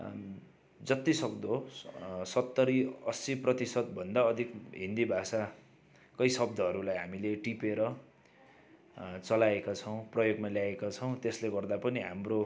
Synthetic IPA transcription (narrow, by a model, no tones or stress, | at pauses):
d͡zʌt̪isʌkd̪o | sʌt̪ːʌɾiʌsiprʌt̪isʌt̪̚bʱʌnd̪aʌd̪ʱikɦind̪ibʱasa | kʌjsʌb̚d̪ʱʌɦːɾulajɦamileʈipeɾʌ | t͡sʌlaekat͡sʰʌw̃prʌjoɡmaljaekat͡sʰʌw̃t̪esleɡʌrd̪apʌniɦa̰mro